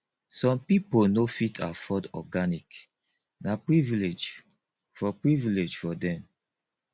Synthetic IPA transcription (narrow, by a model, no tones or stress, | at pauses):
sɔ̃mpiponofitʰafɔdɔ̰ɡanik | napɹiviled͡ʒ | fɔpɹiviled͡ʒfɔdɛ̃m